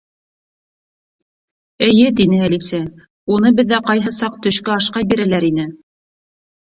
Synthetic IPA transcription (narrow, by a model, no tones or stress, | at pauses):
ɘ̆jɘt̪inɘælisæ | unɤbɘ̆ðːæqɑjɦɤsɑq̚t̪ɵ̆ʃkɵɑʃqɑjbiɾælæɾinɘ